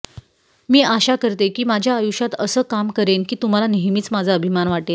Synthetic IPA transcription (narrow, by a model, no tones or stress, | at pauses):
miːʔaɕakəɾt̪ekiːmad͡ʑʱjaːjuɕat̪əsəːkamkəɾenkiːt̪um̤alaneɦmiːt͡smad͡zʱaəbʱimanʋaʈel